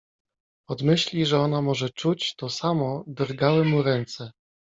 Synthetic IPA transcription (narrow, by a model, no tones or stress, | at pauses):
ɔd̪mɘɕlʲiʐɛɔnamɔʐɛt͡ʂut͡ɕt̪ɔsamɔd̪ɾɡawɘmuɾɛnt̪sɛ